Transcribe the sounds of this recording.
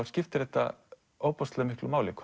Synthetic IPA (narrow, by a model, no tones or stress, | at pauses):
ɾscɪft̪ɪɾɛht̪a̰ | oːwpɔslɛmɪhklʊmaːwlik